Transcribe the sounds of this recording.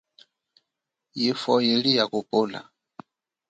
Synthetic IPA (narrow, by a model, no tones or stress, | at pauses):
jifɔjilijakupola̰